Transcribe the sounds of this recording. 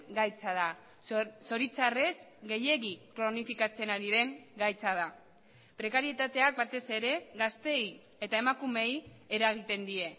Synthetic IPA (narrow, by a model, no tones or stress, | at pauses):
ɡajt͡sað̞a | so̞ɾit͡sare̞sɡe̞je̞ɣikɾo̞nifikat͡se̞naɾiðe̞ŋɡajt͡sað̞a | pɾe̞kaɾie̞t̪at̪e̞ak̚bat̪e̞se̞ɾe̞ɣast̪e̞j | e̞t̪ae̞makume̞je̞ɾaɣ̞it̪e̞nd̪ie̞